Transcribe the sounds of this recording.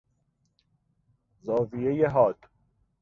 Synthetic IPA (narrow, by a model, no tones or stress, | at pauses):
zɒːvijejeɦɒːd̪̥